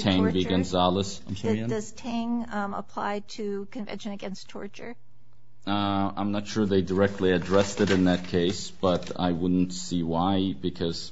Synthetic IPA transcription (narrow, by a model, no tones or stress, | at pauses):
tʰæ̃ŋbiɡɨ̃nzɑlˠəsãɪ̃msdʌz̥tʰæ̃ŋə̰pʰl̥a̰ɪtʰɨkʰɨ̃nvɛ̰̃nʃɨ̃nɨɡɛ̃nstʰɔ̰ɹt͡ʃə̰˞ | ʌã̰ɪ̃mnətʃʊɹðeɪdə˞ɛk̚tʰˡliɨdɹɛstɨɾɨ̃nðɨt̚kʰeɪs | b̥ʌɾa̰ɪwʊdⁿn̩tsiwaɪbɨkʰʌz̥